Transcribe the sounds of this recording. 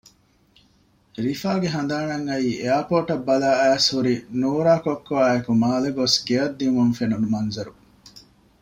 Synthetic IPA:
ɾifaːɡeɦɐnd̪aːnɐŋːɐiːʔejaːpoːʈɐbːɐlaːæːshuɾinuːɾaːkokːoaːekumaːleɡosɡeɐd̪ːiumuŋfenunumɐnzɐɾu

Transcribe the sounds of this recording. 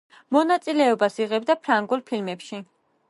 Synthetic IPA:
mɔnat̪sʼilɛɔbasiʁɛbd̪apʰɾaŋɡulˠpʰilmɛpʃi

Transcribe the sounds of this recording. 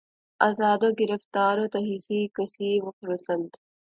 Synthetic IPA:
ɐzɑːd̪oɡɪɾɐft̪ɑːɾot̪ɐɦɪsikɐsiwɐfɾusɐnt̪

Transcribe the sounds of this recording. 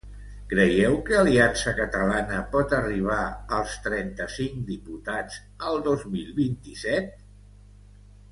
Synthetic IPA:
kɾəjɛwkəːliansəkət̪əlanəpɔt̪əriβ̞aəlˠst̪ɾɛnt̪əsiŋkd̪iput̪ad͡z | əlˠd̪ozmilˠβint̪isɛt̪̚

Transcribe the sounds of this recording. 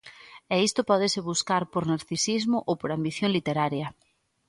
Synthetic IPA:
ɛist̪opɔðɪsɪβuskaɾpoɾnaɾθisizmʊʔowpoɾambiθjoŋlit̪eɾaɾjɐ

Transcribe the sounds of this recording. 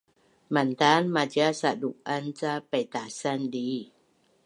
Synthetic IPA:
mant̪anmat͡ɕiasaduk̚ʔant͡sapajt̪asandi

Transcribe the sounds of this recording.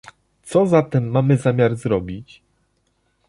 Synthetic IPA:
t̪sɔzat̪ɛmːamɘzamʲjaɾzɾɔbʲit͡ɕ

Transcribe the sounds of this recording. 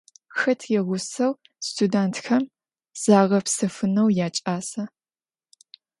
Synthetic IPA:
xɐtʰjɛʁʷʊsɐw | stʰudaːntʰxɐm | z̥aːʁɐpsɐfɨnɐwjaːt͡ʃʼaːsɐ

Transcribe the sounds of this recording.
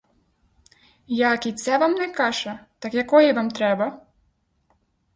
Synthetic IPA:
jakit͡s̪ʲːavamnɛkaʐɛt̪akjɐkɔjɛvamt̪ɾɛbɐ

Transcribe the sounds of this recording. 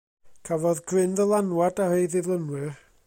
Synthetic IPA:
kʰavɔðɡrɪnðəlˠanwadahejðɪvlˠənwɨr

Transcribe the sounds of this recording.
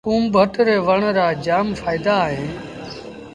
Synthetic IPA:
uːmbʱəʈɾeːʋəɳɾaːd͡ʒaːmfʰaːɪd̪aːɦẽː

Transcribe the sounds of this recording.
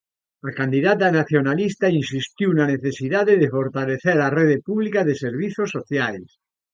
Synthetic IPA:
akand̪iðat̪anaθjonalist̪ainsist̪iwnaneθesiðaðeðefoɾt̪aleθeɾareðepuβlikaðeseɾβ̞iθosːoθjals

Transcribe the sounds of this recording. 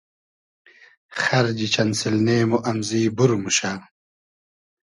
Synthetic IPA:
xɐɾd͡ʑit͡ɕɐnsilneːmuʔɐmziːbuɾumuɕaː

